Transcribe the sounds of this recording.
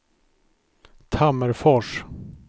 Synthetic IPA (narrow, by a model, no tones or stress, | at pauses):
t̪ʰaməɾfɔʂ